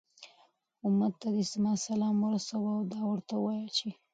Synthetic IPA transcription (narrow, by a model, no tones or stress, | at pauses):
ʊmad̪t̪ːad̪esmɑsalɑmwəɾasawaawd̪ɑwəɾt̪awɑjat͡ʃe